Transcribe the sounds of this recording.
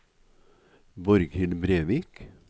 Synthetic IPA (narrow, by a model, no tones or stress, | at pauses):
bɔɾɡhɪlbɾeːʋiːk